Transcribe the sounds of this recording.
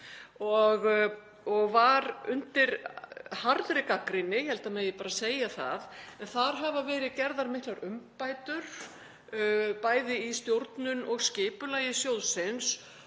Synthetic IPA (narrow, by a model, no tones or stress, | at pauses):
ɔɣ | ɔɣvaɾʏnt̪ɪɾhaɾðɾɪkakɾɪnːɪhɛlt̪amɛðjɪpaːɾaseːjaθa̰ðɛnθaɾ̥ɦavavɛːɾɪðcɛɾðaɾmɪht̪laɾʏmpaːjt̪ʏɾ̥ | paːjðɪist̪jowɾt̪nʏnɔɣscɪːpʏlaːjɪsjowðsɪns